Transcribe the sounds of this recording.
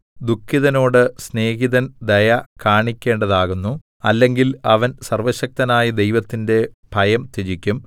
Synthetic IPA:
d̪ukʰːiðɐno̞ːɽɨsne̞ːɣiðɐnd̪ɐjɐkʰaːɳikʲːe̞ːɳɖɐðaːɣunːu | ɐlːe̞ŋɡilɐʋɐnsɐrʋɐɕɐk̚t̪ɐnaːjɐd̪e̞jʋɐt̪ːinde̞bʱɐjɐmt̪id͡ʑikʲːum

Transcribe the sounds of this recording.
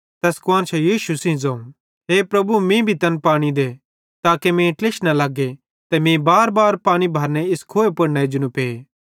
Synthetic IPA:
t̪ɛskwaːnt͡ʃʰɛjiːʃusĩzɐ̃ːũ | ɦepɾɐbumĩbʱit̪ɐnpaːɽ̃id̪e | t̪aːkemẽʈleʃnalaːɡe | t̪ɛmĩbaːɾbaːɾpaːɽ̃ibʱaːɾneɪskʰoːepɐɽnɛd͡ʒʊnũpeː

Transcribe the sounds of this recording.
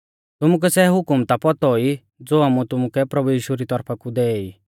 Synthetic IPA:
t̪ʊmʊk̬ɛsɛɦʊkʊmt̪apɔt̪ɔi | d͡zoːamũt̪ʊmʊkɛpɾɐbujiːʃuɾit̪ɔɾpʰakud̪ɛːi

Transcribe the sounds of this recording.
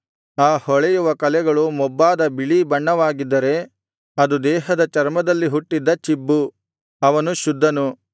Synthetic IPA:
aːhɔɭɛjuʋɐkɐlɛɡɐɭumɔbːaːd̪ɐbiɭibɐɳːɐʋaːɡid̪ːɐɾe̞ | ɐd̪ud̪ɛːɦɐd̪ɐt͡ʃɐɾmɐd̪ɐlːiɦuʈːid̪ːɐt͡ʃibːu | ɐʋɐnuʃud̪ʱːɐnu

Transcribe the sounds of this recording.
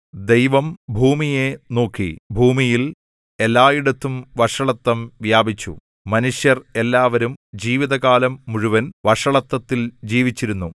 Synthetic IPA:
d̪e̞jʋɐmbʱuːmijeno̞ːkʰːḭbʱuːmijil | e̞lːaːjiɽɐt̪ːumʋɐʂɐɭɐt̪ːɐmʋjaːbit͡ɕːṵ | mɐnuʂjɐre̞lːaːʋɐɾumd͡ʑiːʋiðɐɣaːlɐmːuɻuʋɐnʋɐʂɐɭɐt̪ːɐt̪ːild͡ʑiːʋit͡ɕːiɾunːu

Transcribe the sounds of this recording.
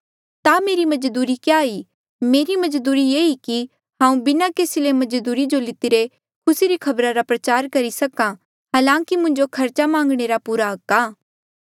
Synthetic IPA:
t̪ameːɾimɐd͡ʒd̪uːɾikjaːi | meːɾimɐd͡ʒd̪uːɾijeːiki | ɦãːũbɪnakeːsilemɐd͡ʒd̪uːɾid͡ʒolɪt̪iɾe | kʰʊsiɾikʰɐbɾaɾapɾɐt͡ʃaːɾkɐɾisɐkã | ɦaːlãːkimʊ̃ɲd͡ʒokʰɐɾt͡ʃamãːŋɡɽ̃eɾapuːɾaɦɐkːaː

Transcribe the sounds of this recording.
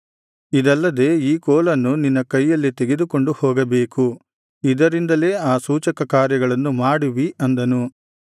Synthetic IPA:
id̪ɐlːɐd̪e̞ːiːkɔːlɐnːuninːɐkɐjːɐlːit̪eɡe̞d̪uko̞ɳɖuhɔːɡɐbe̞ːku | id̪ɐɾind̪ɐle̞ːaːsuːt͡ʃɐkɐkaːɾjɐɡɐɭɐnːumaːɽuʋiʔɐnd̪ɐnu

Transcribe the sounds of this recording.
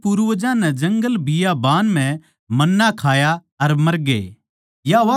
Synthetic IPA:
puɾuʋd͡ʒãnɛd͡ʒɐ̃ŋɡəlbɪjabaːnm̤ɛ̃ | mɐnːakʰaːja | ɐɾmɐɾɡḛː | jaʋa

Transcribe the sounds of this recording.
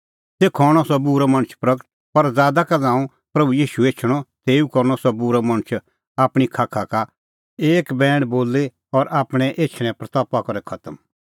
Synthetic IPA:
sekʰɔːɽ̃ɔsɔbuɾamɐ̃ñt͡ʃʰpɾɐkɾt̪̚pɐɾd͡zaːd̪akazãːũ | pɾɐbujiːʃueːt͡ʃʰɽ̃ɔt̪eːukɐɾñɔsɔbuɾamɐ̃ñət͡ʃʰ | aːpɽ̃ikʰaːkʰaka | eːkbɛ̃ːɽboːlːe | ɔɾaːpɽ̃ɛ̃ʔeːt͡ʃʰɽ̃ɛ̃pɾɐt̪ɔːpakɐɾɛkʰɐt̪əm

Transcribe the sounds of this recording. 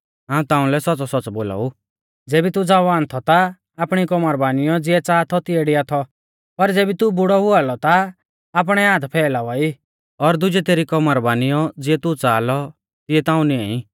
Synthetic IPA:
ɦãːũt̪ãːũlɛsɔt͡sɔsɔt͡sboːla̰ːu | d͡zeːbit̪ud͡zaʋaːnt̪ʰɔt̪aː | pɽ̃ikɔmaɾbaːnɪjɔd͡zɪɛt͡saːt̪ʰɔt̪ɪeɽɪat̪ʰɔ | pɐɾd͡zeːbit̪ubʊɽɔɦʊalɔt̪aː | p̬ɽ̃ɛaːd̪pʰɛːlaːʋɔi | ɔɾd̪ʊd͡ʒɛt̪eːɾikɔmaɾbaːnɪjɔd͡zɪɛt̪ut͡saːlɔ | t̪ɪɛt̪ãːũnɪãi

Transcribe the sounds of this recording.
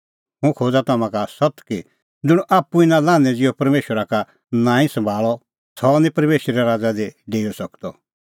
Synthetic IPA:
ɦũkʰoːd͡zat̪amãkasɐt̪ki | d͡zʊɽ̃ʔaːpːuinãlãːnɛ̃d͡zɪɔpɐɾmeːʃəɾaka | nãːĩsɐ̃mbʱaːɭɔ | sʰɔnĩpɐɾmeːʃɾɛɾaːd͡zad̪eɖeːɔsɐkt̪ɔ

